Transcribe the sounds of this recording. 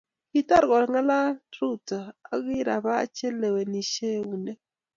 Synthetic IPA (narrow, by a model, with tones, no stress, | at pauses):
ki˦ta˦ɾɡɔ˨ɾŋa˦la˦ɾu˦ta˨a̰˨˦ɣɪ˦ɾa˨ba˦a̰˦t͡ʃe˦le˨we˨ni˨ʃe˦wu˨ne˦